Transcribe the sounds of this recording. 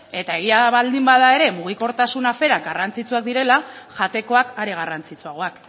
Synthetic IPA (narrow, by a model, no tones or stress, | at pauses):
e̞t̪ae̞ɣ̞iaβald̪imbaðae̞ɾe̞muɣ̞iko̞ɾt̪asunafe̞ɾaɡarant͡sit͡suak̚d̪iɾe̞laʝat̪e̞ko̞akaɾe̞ɣ̞arant͡sit͡suaɣ̞o̞ak